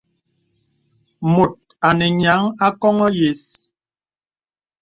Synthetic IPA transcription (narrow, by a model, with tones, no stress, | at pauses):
mo˨t̚ | a˨nɛ˨ɲa˨˦ŋa˦kɔ˦ŋɔ˦je˨s